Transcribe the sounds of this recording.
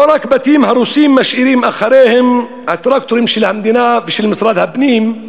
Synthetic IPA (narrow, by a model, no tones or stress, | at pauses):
ɾˤɑkbat̪iːmhɑɾˤuːsiːmːaʃʔiɾiːmʔaxːɑɾeːhɪm | hat̪ɾˤɑːk̚t̪ʊɾjɪmʃilhamd̪inabiʃilmɪsɾˤɑːd̪habniːm